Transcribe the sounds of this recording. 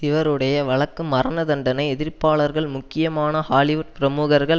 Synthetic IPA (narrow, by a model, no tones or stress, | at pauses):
sɪʋɐɾɯɽɐjɐʋɐɭɐkːɯmɐrɐnɐðɐɳɖɐnɐɪɛðɪɾpaːɭɐɾɣɐɭmʊkːɪjɐmaːnɐhaːlɪʋʊʈ̚pɪɾɐmuːɣɐɾɣɐɭ